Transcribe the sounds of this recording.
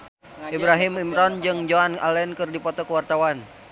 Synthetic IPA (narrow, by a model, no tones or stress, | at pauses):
ibɾaɦimimɾɔnd͡ʒɨŋd͡ʒoana̰lɛnkɨrdipɔt̪ɔkəwart̪awan